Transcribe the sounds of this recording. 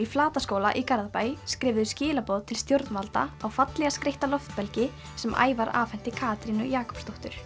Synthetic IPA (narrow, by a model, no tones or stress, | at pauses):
iflaːt̪askoːwla̰ʔikaɾðapaːjskɾɪːvðʏscɪːlapɔðt̪ʰɪlst̪jowɾt̪nvalt̪a̰awfat̪lɛɣaskɾeht̪alɔft̪pɛlcɪ | sɛmʔa̰ːjvaɾa̰ːfɛn̥t̪ɪkʰaːt̪ɾinʏ̰jaːkʰɔ̥pst̪owht̪ʏɾ̥